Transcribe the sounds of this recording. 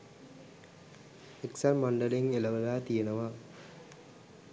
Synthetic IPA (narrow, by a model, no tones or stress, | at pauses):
eksanmɐɳɖəleŋelɐʋəlaːt̪ijenəʋa